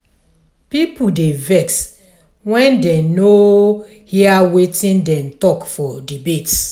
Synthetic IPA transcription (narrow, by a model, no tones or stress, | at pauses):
pipudevɛks | wɛ̃ndɛ̃no | hiawetĩndɛ̃mtɔkfɔdibet